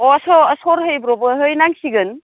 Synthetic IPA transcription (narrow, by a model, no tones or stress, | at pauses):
ɔɐsɔɐsɔɾɦəjbɾɔbɯɦɯjnaŋsiɡɯn